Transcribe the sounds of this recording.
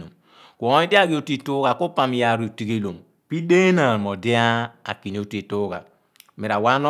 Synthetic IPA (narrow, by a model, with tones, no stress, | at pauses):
o˨m | ku˨˦i˦di˦a˦ɡi˦o˨ti˦tu˦ɡa˨ku˦pa˨m˨ja˨ɾu˨ti˨ɡe˦lo˨m | pi˦de˦na˨ɾmo˨de˦a˦a̰˨ki˨n˨o˨˦te˨to˦ɡa̰˨ | mi˨ɾa˨wa˦nɔ˦